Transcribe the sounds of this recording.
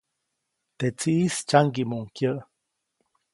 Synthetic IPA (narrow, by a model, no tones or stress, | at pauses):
t̪et͡siʔist͡ʃaŋɡimuŋkjəʔ